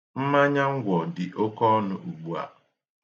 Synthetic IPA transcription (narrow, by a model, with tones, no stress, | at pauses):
m̩˦ma˦ɲa˦ŋ̩˦ɡʷɔ˨dɪ˨ʔo˦kɔ˦nʊ˦ʔu˨ɡ͡bu˦a̰˨